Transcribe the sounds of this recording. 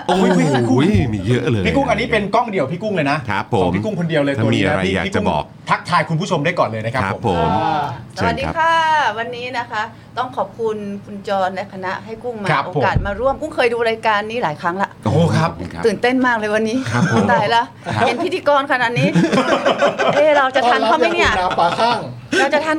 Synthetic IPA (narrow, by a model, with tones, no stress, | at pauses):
o˧˦i˥˩˥ku˥miː˧jʰiː˥˧˩ku˥˩ŋʔa˧nːiː˦˥pe˧nkɔ˥˩ŋdi˨˩əwpʰiː˥˩ku˥˩ŋlɤː˧jna˦˥ʔʰa˦˨˩mʰiː˦˧˩ku˥˩ŋkʰo˧ndi˧əwləː˧j̪u˧i˦˥pʰḭː˥˨kiː˥˩kṵː˥˩˨ | t̪ʰa˦˥k̚t̪ʰaː˧jku˧npʰuː˥˩t͡ɕʰo˧mda˥˩jkɔː˨˩nlɤː˧jna˦˥kʰa˦˥pʰːo˩˦o˨˩msa˩˧˨t̪̚diː˧kʰaː˥˩wa˧nːiː˦˥na˦˥kʰa˦˥ʔ | t̪ɔ˥˩ŋkʰɔː˨˩p̚kʰu˧nkʰu˧nt͡ɕɔː˧nlɛ˦˥kʰa˧na˦˥ʔɦa˥˩jku˥˩ŋma˧a˦˥ʔoː˧pʰːo˦kaː˨˩t̪̚maː˧ɾu˥˩əmku˥˩ŋkʰɤː˧jduː˧ɾaː˧jkaː˧nːiː˦˥laː˨˩˦jkʰɾa˦˥ŋla˧ʔoː˧kʰa˦˥p̚t̪ɯː˨˩nt̪e˥˩nmaː˥˩k̚lɤː˧jwa˧nːiː˦˥˦d̪aː˨˩jla˦˥ | e˧˨npʰt̪ʰiː˧kɔː˧nkʰa˧na˨˩t̪̚niː˦˥ | ʔeː˧˩ɾa˧wt͡ɕa˨˩t̪ʰa˧nkʰaː˥˩mma˥˩jni˥˩a˨˦aː˧˩a˥˩ŋ | ɾa˧wt͡ɕa˨t̪ʰa˧˥n